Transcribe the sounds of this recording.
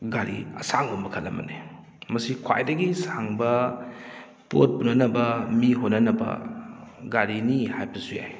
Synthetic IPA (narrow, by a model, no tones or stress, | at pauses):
ɡaɾiɐ̰saŋbombɐkʰɐlːɐ̰mɐ̰ne | mɐsikʰwa̰jdɐɡisaŋbɐ | po̰t̚punɐnɐbɐmiɦonɐnɐbɐ̰ | ɡaɾinihajpɐsuja̰j